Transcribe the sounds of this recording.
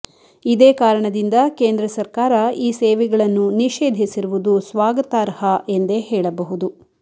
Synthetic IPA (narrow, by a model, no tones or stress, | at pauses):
id̪eːkaːɾɐɳɐd̪ind̪ɐkeːnd̪ɾɐsɐɾkaːɾɐiːseːʋɛɡɐɭɐnːuniʃeːd̪ʱisiɾuʋud̪usʋaːɡɐt̪aːɾhɐʔend̪e̞ɦɛːɭɐbɐɦud̪u